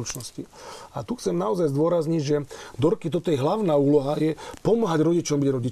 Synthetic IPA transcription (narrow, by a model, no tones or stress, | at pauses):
ut͡ʃnɔsciat̪uxt͡sɛmnaɔzajzd̪ʊɔɾazɲiɟʒɛd̪ɔɾkit̪ɔt̪ɔjɛɦlaʊnaːuːlɔɦajɛpɔmaɦaɟɾɔɟit͡ʃɔmbiɟɾɔɟi